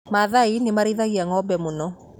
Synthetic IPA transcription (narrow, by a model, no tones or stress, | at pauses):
maðainemaɾeðaɣiaŋɔbɛmonɔ